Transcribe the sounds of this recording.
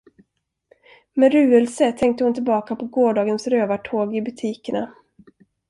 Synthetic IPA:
mɛɾʉ̟ːəlsət̪ʰɛŋk̚t̪əhʊnt̪ʰɪlbɑːkapʰɔɡoːɖɑːɡənsɾøːvaʈʰoːɡɪbɵt̪ʰiːkəɳa̰

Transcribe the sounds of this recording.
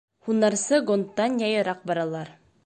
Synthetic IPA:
hunːɑɾsɤɡont̪ːɑnjɑjɤ̆ɾɑq̚bɑɾɑlˠɑɾ

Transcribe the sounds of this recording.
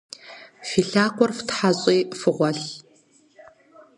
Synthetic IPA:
fiːɬaːkʷɔrftħaɕʼiːfɨʁʷɔɬ

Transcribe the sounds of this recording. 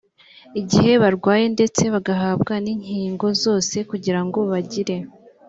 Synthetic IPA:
iɟihe̞βaɾɡwaːje̞nde̞t͡se̞βaɡaɦaːbɡaniɲhiːŋɡo̞zo̞ːse̞kuɟiɾaŋɡo̞βaɟiɾe̞

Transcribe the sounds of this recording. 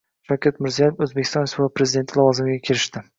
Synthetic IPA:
ʃawkʲʰat̪mɪɾzijajefɵzbekʲʰːɪst̪ɒnɪspɾe̞zɪd̪e̞nt̪ʰɪlˠɒvɒzɪmɪɡʲakʲʰeɾɪʃt̪ɪ

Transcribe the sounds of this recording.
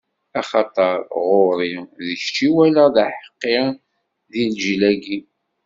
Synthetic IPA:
ɑχɑt̪ˤəɾˤʁoɾiðəçt͡ʃːiwælæðæħə̥qːɪ | ðilʒlæɡi

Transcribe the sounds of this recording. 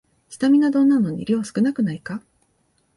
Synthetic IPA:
çi̥t̪amʲinad̪õ̞nːano̞ɲ̟ḭɾʲiasɨ̥kɯ̟nakɯ̟naika

